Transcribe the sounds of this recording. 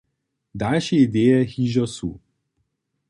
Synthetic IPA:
d̪alʃiid̪eːjɛxiʒɔsṵ

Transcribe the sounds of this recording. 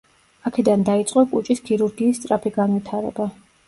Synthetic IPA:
akʰɛd̪and̪ait̪sʼqʼɔkʼut͡ʃʼiskʰiɾuɾɡiːst̪sʼɾapʰiɡanwit̪ʰaɾɛ̰ba

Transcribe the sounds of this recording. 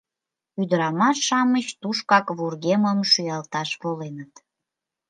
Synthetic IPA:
yd̪əɾɑmɑʃːɑmət͡ɕt̪uʃkɑkβurɣeməmʃyjɑlt̪ɑʃβolenət̪

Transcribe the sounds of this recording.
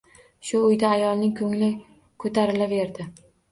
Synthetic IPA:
ʃʊːjd̪aːjɒlˠnɪŋkʰɵŋlɪ | kʰɵt̪ʰaɾɪlave̞ɾd̪ɪ

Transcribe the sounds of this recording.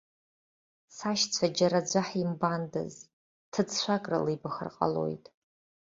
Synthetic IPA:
saʃt͡sʷʰad͡ʒaɾad͡ʒʷaħimbandɨ̰z | tʰɨt͡sʰʃʷakʼra̰lɨjbaχə̰rqʼa̰lo̰jtʼ

